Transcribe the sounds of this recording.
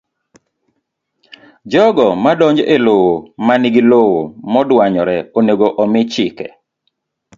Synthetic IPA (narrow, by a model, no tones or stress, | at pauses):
d͡ʒɔɡɔmadɔɲd͡ʒɔʔelowomaniɡilowomɔdwaɲɔɾɛoneɡoʔɔmɪt͡ʃɪkɛ̰